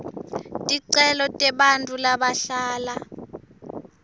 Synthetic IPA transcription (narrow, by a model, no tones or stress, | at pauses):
tʼiǀɛlɔtʼɛɓantʼulaɓaɬaːla